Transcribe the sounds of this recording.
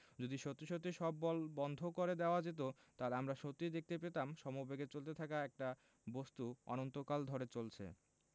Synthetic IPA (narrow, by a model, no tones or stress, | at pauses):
d͡ʑod̪iʃot̪ːiʃot̪ːiʃɔbːɔlbɔnd̪ʱokoɾed̪eoad͡ʑet̪̬o | t̪aleamɾaʃot̪ːid̪ek̚t̪epet̪amʃɔmobeɡet͡ɕolt̪et̪ʰakaɛk̚ʈa | bost̪uɔ̰nont̪okald̪ʱɔɾet͡ɕolt͡ɕʰḛ